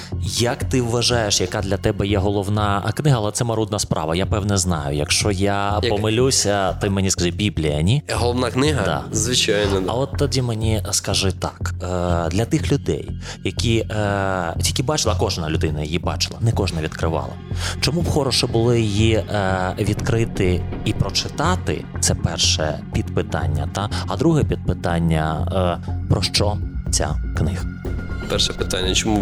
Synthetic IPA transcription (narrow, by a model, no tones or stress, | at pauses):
jɐkt̪ɪʋːɐʒɑjeʃjɐkad̪lʲɐt̪ɛbɛjɛɦɔlˠɔʋnɑknɪɦɐlˠɛt̪sɛmɐɾud̪nɐspɾʔɑ̰ʋɐjapɛwnɛznɑ̰jʊ̰jɐ̰kʃt͡ʃɔjapɔmɪlʲusʲɐt̪ɔmɛnʲiskɐzʲibʲiblʲijɐnʲiɦɔlˠɔʋnaknɪɦɐd̪a̰zʋɪt͡ʃajnɔɐ̰ɔt̪ːɔdʲimenʲiskɐʒɪt̪ɑkd̪lʲɐt̪ɪxlʲʊd̪ɛ̰j | jɐkʲi | jɐkʲibɑt͡ʃɪlˠɐkɔʒnɐlʲʊd̪ɪnɐjɐjibɑ̰t͡ʃɪ̥lˠɐnɛkɔʒnɐʋʲid̪kɾɪʋɑ̰lˠɐ̰t͡ʃɔmuxɔɾɔʃɛbʊlˠɪjiji | ʋʲid̪kɾɪt̪ɪipɾɔt͡ʃɪt̪ɑt̪ɪ̰t̪sɛpɛrʃɛ̰pʲid̪pɪt̪ɑ̰nʲːɐ̰t̪ɑɐd̪ɾuɦɛpʲid̪̚pɪt̪ɑnʲːɐ̰ | pɾɔʃt͡ʃɔt͡sʲa̰knɪxpɛrʃɛpɪt̪anʲːɐt͡ʃɔmu